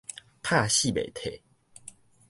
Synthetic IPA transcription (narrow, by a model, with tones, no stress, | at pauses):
pʰa˥˧ɕi˥˨bḛ˨t̪ʰe˨˦